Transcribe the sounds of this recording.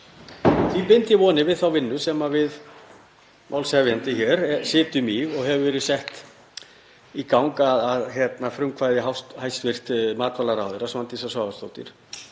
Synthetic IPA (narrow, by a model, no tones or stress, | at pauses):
θvipɪnt̪ɪvɔːnɪvɪðθawvɪnːʏsɛmavɪð | mʔa̰wlsɛvjant̪ɪçɛɾsɪːt̪ʏmiɣɔɣɦɛvʏvɛːɾɪsɛht̪ | ikawŋkaðaðçjɛt̪nafɾʏmkʰvaːjðɪɦawst̪hajst̪vɪr̥t̪maːt̪valaɾaːwðʏɾasmant̪isasvaːvast̪oːwt̪ɪ̰ɾ̥